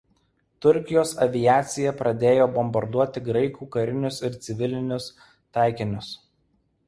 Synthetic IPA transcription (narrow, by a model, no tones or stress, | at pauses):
t̪ʊɾʲkʲɪjoːsɐʋʲɪjæːt̪sʲɪjɛpɾɐd̪ʲeːjoːbɔmbɐɾd̪uɔt̪ʲɪɡɾɐɪkuːkɐɾʲɪnʲʊsɪɾt̪sʲɪʋʲɪlʲɪnʲʊs | t̪ɑˑɪkʲɪnʲʊs